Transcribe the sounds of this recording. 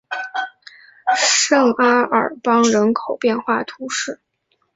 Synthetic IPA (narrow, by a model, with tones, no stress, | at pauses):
ʂɤ˥˩ŋa˥ə̰˞˨˩pɑ˥ŋɻə˧˥nkʰo˨˩ʊpjɛ˥˧nxwa˥˩t̪ʰu˧˥ʂɻ̩˥˩